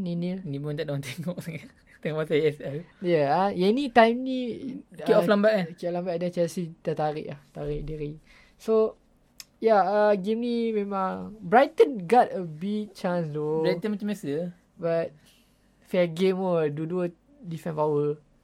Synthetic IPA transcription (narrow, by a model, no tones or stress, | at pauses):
ninənibund̪adant̪ɛŋɔʔk̚səŋa | t̪ɛŋɔmasaɛsɛjaaɛnit̪ãjmniiɔflambaʔkiɔflãmbaʔdɛ̃nt͡ʃɛlsit̪at̪aɾḭʔlaht̪aɾiʔ̚diɾi | so | jaəɡimnimẽmãŋbɹajt̪ə̃nɡɔtəbiɡ̚t͡ʃãnsdobajt̪ə̃nmat͡ʃãmasə | bat̚ | fɛɡemɔduduə | difɛ̃npawə